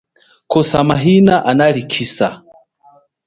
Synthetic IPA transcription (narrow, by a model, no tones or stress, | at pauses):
kʰɔsamaɦinaʔanalikʰisa̰